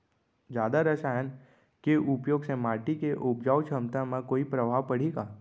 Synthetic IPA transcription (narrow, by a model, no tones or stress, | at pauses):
d͡ʒjaːd̪aɾɐsaːjən | keʔʊpjoːɡsẽmaːɾʈikeʔʊpd͡ʒaːwt͡ʃʰəmt̪amẽkoːipɾəbʱaːʋpɐɽ̤iːɡaː